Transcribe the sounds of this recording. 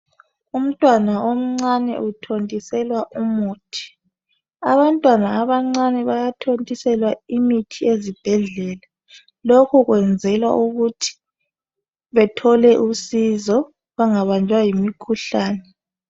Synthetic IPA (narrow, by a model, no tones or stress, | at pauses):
um̩tʼwanaom̩ŋ͡ǀanɛ̰ʔutʰontʼisɛlwaʔumuːtʰi̥ | aβantʼwanaːβaŋ͡ǀanɛβajatʰontʼisɛlwaimitʰiezib̥ʱɛɮɛːla | lokʰuɣwɛnd͡zʱɛlwa̰ʔuɣutʰi̥ | βɛtʰɔlɛʔusizɔ | βaŋaβand͡ʒʱwajimikʰuɬaːnɛ